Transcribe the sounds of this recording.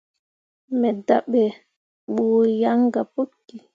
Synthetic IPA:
mɛdaɓːɛ | ɓɔjaŋɡapokːi

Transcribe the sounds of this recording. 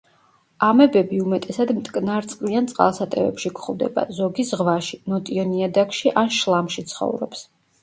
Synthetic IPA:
amɛbɛbiumɛt̪ʼɛsad̪mt̪ʼkʼnaɾt̪sʼqʼliant̪sʼqʼa̰lˠsat̪ʼɛvɛ̰pʃikʰχɔvd̪ɛ̰ba̰zɔɡisʁvaʃinɔt̪ʼiɔniad̪akʰʃiʔanʃlˠamʃit̪sʰχɔ̰vɾɔ̰ps

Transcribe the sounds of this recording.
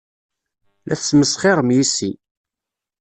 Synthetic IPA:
lʔæθsməsχɪɾˤmjisi

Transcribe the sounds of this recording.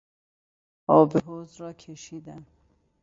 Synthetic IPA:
ʔɒːbeɦoːzɾɒːkʰeʃiːd̪æn

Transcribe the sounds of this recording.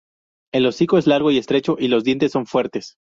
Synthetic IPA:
elo̞siko̞e̞zlaɾɣo̞ie̞st̪ɾe̞t͡ʃo̞ʔilo̞zðje̞nt̪e̞sːoɱfwe̞ɾt̪e̞s

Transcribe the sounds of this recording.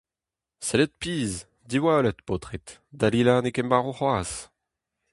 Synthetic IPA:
sɛlɛt̪̚piːz | d̪iwaølɛt̪pot̪χet̪d̪alilanekɛmbaːʁoχwaːs

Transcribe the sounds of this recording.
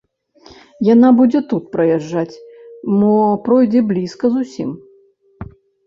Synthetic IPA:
janabud͡zʲɛt̪ut̪̚pɾɐjaʐːat͡sʲmɔpɾɔjd͡zʲɛblʲiskɐzusʲḭm

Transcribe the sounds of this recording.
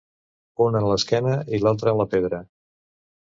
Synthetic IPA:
unənləskɛnəilalˠt̪̬ɾənləpeðɾə

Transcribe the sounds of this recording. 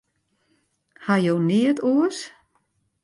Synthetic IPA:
hajowniətʰuəs

